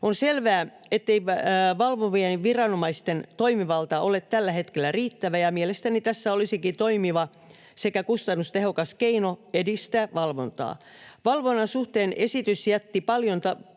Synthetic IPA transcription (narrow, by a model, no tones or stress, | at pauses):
onselʋæː | et̪ːeiʋɑlʋoʋienʋirɑnomɑist̪ent̪oimiʋɑlt̪ɑʔolet̪t̪ælːæhet̪kelːˑæriːt̪ːæʋæjɑmielest̪ænit̪æsːæolisikit̪oimiʋɑ | sekækust̪ɑnːust̪ehokɑskeinoedist̪æːʋɑlʋont̪ɑ̰ː | ʋɑlʋonːɑnsuht̪eːnesit̪ysjæt̪ːipɑljont̪ɑ